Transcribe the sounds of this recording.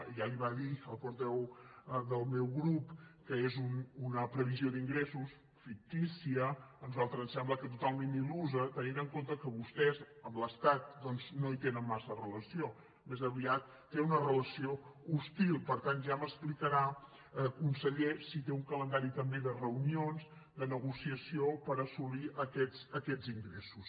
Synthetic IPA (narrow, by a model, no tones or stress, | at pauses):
ʒaliβaðiəlˠpuɾt̪ɛwðəlˠmewɣɾupkəezununəpɾəβizioðiŋɡɾesus | fik̚t̪isiənuzalˠt̪ɾəznsɛmbləkət̪ut̪alˠmeniluzət̪əninəŋkont̪əkəβust̪ɛzəmləst̪at̪̚d̪ɔnznoit̪enənmasərələsio | mezəβiat̪̚ːeunərələsioust̪ilˠpəɾt̪anʒaməsplikəɾa | əkunsəʎesit̪euŋkələnd̪aɾit̪əmbeðərəunionz | d̪ənəɣusiəsiopəɾəsuliʔəkɛzəkɛd͡ziŋɡɾesus